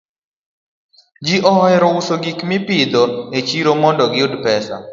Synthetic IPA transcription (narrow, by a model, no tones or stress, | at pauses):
d͡ʒiʔɔɦɔɛɾɔusoɡikmɪpɪd̪oet͡ʃiɾomɔndɔɡɪʊdpɛsa̰